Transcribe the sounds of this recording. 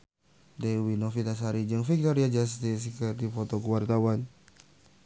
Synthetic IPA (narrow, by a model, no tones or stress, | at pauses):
dewinofit̪asɦaɾid͡ʒɨŋfik̚t̪oɾiad͡ʒast̪is̬kərdifot̪okuwart̪awan